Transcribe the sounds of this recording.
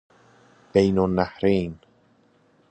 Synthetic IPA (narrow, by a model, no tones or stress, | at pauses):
bejnonːahɾeːn